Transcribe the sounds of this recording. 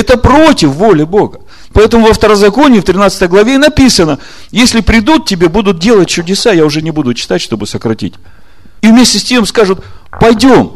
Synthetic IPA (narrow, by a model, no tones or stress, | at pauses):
ɛt̪əpɾo̞tʲɪfːo̞lʲɪbo̞ɡə | pɐɛt̪əmʊvəft̪əɾəzɐko̞nʲɪːft̪ɾʲɪnat̪sɨ̥t̪əjɡlˠɐvʲenɐpʲisənə | jesʲlʲɪpɾʲɪd̪ut̪̚tʲːɪbʲe̞bud̪ʊt̪̚dʲelˠət̚ʲt͡ɕʊdʲɪsajaʊʐɛnʲɪbud̪ʊt͡ɕɪ̥t̪atʲʂt̪o̞bɨsəkɾɐtʲḭtʲ | ivmʲesʲtʲɪsʲtʲe̞mskaʐʊt̪̚pɐjdʲo̞m